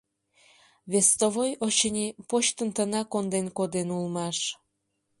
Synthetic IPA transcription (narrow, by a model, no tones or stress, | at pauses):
βest̪oβojot͡ɕənʲipoɕt̪ənt̪ənɑkond̪enkod̪enulmɑʃ